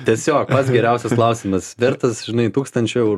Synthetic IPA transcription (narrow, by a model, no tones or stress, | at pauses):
t̪ʲiɛsʲoːk̚pɐt̪sɡʲɛɾʲæʊsʲɛsklˠɐʊsʲimɐsʋʲɪɾt̪ɐsʒ̥ʲɪnɐɪt̪uːkst̪ɐnʲt͡ʃʲʊɛʊɾ